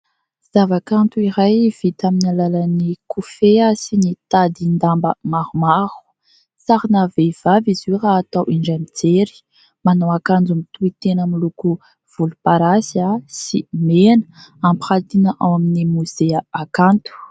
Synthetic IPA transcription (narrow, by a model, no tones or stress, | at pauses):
z̥avakant̪uiɾajv̥it̪aminalalanikʰufeasinit̪ad̪ind̪ambəmaɾumaɾu̥ | saɾinavev̥avizuraːt̪awʔiɳɖ͡ʐamid͡zeɾi̥ | manawakand͡zumit̪uit̪enamiluku | v̥ulupaɾasiasimenəampχat̪inəʔawaminimuz̥eaakant̪u̥